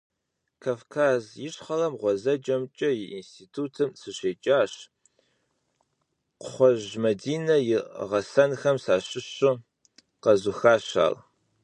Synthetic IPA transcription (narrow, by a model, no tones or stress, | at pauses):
kʰaːfkʰaːzjɪɕχɐlɐmʁʷɔzɐd͡ʒɐmt͡ʃʼɐjɪʔinstʰiːtʰuːtʰɨmsɨɕeːt͡ʃʼaːɕ | qʷʊ̥χʷɔʒmɐdiːnɐjɪʁɐsɐnxɐmsaːɕɪɕʊ | qɐzʊxaːɕa̰ːl